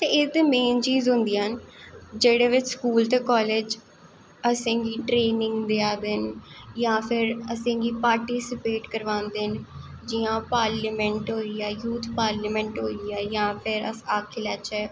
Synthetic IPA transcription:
t̪eːɪsd̪eːmeːnt͡ʃiːzɦʊ̃nd̪iːənd͡ʒeːɽeːʋɪt͡ʃskuːlt̪eːkɔːleːd͡ʒ | əsẽːɡiːʈɾeːnɪ̃ŋɡd̪eaːd̪ɪnjãːpʰɪɾəsẽːɡiːpaːɾʈiːsɪpeːʈkəɾʋãːnd̪ɪnd͡ʒiːãːpaːɾləmɛ̃ɳʈɦoːiːɛːjuːt̪ʰpaːɾləmɛ̃ːɳʈɦoːiɛːjãːpʰɪɾəaːkʰːɪlɛːt͡ʃɛː

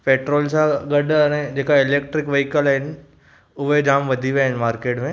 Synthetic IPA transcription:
peːʈɾoːlsãɡɐɖʱənẽd͡ʑeːkaɪleːk̚ʈɾɪkʋɐikəlɦɪn | ʊʋed͡ʒaːmʋɐd̪ʱiʋeaɦɪnmaːɾkeːʈmẽ

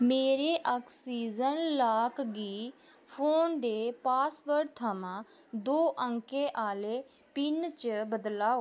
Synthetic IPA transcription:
meːɾeːʔəksiːzənlaːkɡiː | pʰoːnd̪eːpaːsbəɾɖt̪ʰaːmãːd̪oːʔə̃ŋkeːʔaːleː | pɪnt͡ʃbəd̪laːoː

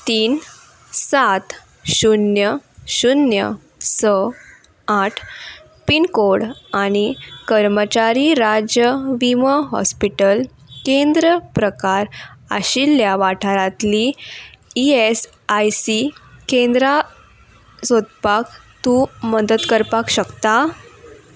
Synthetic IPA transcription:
t̪iːn | sat̪ | ɕunjəɕunjə̰ | sə | aʈʰ | pinkoɽaɽ̃ikəɾmət͡ɕaɾiɾad͡ʑjəʋiməɦɔ̰spiʈəl | kend̪ɾəpɾəkaɾa̰ɕiljaʋaʈʰaɾãt̪li | ies | ajsikend̪ɾa | sod̪pakt̪uːməd̪ət̪kəɾpakɕəkt̪a

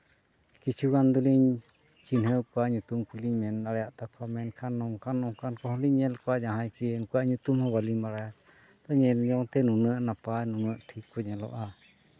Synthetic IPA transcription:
kit͡ʃuɣand̪uliɲ | t͡ʃinhẽkʷaɲũt̪umkuliɲmẽnaɾaʔt̪akʷʰamẽnkʰanõŋkanõkankohliɲẽlkʷaɲãɦãjkiŋkʷaɲũt̪umhõβalimãɾaa | t̪oɲẽɲõt̪enũnə̃ʔnãpanũnə̃ʔt̪ʰikuɲẽlo̰ʔa

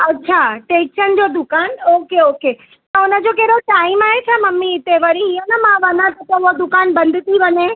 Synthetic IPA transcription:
ɐtːɕʃʰaʈekʃənd͡ʑod̪ʊkaːnoːkeoːke | t̪ɐʊnəd͡ʑokeːɽoʈaːɪmaːɦet̪ʰamɐmːiɪt̪eʋɐɾiɦinɐmãʋanat̪ok̪oʊɦod̪ʊkaːnbɐ̃nd̪ʱɪt̪iʋɐɲẽ

